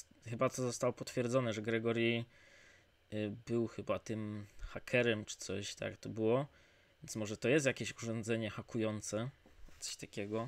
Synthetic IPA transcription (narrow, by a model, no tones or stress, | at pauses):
xɘbat̪ɔzɔst̪awɔpɔt̪fʲjɛɾd̪zɔnɛʐɛɡɾɛɡɔɾji | bɘwxɘbat̪ɘmxakʰɛɾɛmt͡ʂɘ̥t̪sɔɕt̪a̰kt̪ɔbɘwɔ | vʲjɛnt̪smɔʐɛt̪ɔjɛst̪jakʲeɕuʐɔnd̪zɛɲɛxakujɔnt̪sɛt̪sɔ̥ɕt̪akʲɛɡɔ